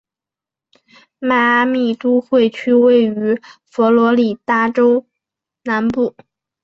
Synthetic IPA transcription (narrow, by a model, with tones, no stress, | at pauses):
ma˥˩a˥mi˥˩t̪u˥xwe˥˩ɪt͡ɕʰy˥we˥˩ɪy˧˥fɔ˧˥lwɔ˧˥li˨˩t̪a˥˩ʈ͡ʂo˥ʊ | na˧˥npu˥˩